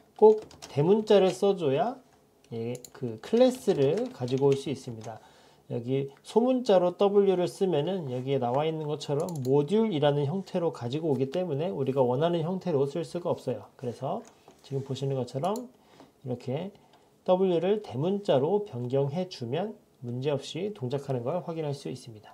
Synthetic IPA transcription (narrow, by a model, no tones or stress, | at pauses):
k͈ok̚te̞munt͡ɕ͈aɾɯɭs͈ʌd͡ʑoja | jekɯkʰɯɭːe̞s͈ɯɾɯɭkad͡ʑiɡoːɭs͈uis͈ɯmɲida | jʌɡisʰomunt͡ɕ͈aɾot͈ʌbɯʎːuɾɯɭs͈ɯmjʌnɯnjʌɡie̞nawainːɯnɡʌt͡ɕʰʌɾʌmːoduɾiɾanɯnçjʌŋtʰe̞ɾokad͡ʑiɡoːɡit͈e̞mune̞uɾiɡawʌnɦanɯnçjʌŋtʰe̞ɾosʰɯɭs͈uɡaʌp̚s͈ʌjokɯɾe̞sʰʌ | t͡ɕiɡɯmpoɕʰinɯnɡʌt͡ɕʰʌɾʌm | iɾʌkʰe̞ | t͈ʌbɯʎːuɾɯɭte̞munt͡ɕ͈aɾopjʌŋɡjʌŋɦe̞d͡ʑumjʌn | mund͡ʑe̞ʌp̚ɕ͈itoŋd͡ʑakʰanɯnɡʌɭɸwaɡinɦaɭs͈uis͈ɯmɲida